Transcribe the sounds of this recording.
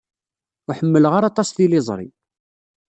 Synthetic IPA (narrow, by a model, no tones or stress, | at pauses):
ʊħəmːələʁaɾɑt̪ˤɑsðilɪzˤɾˤḭ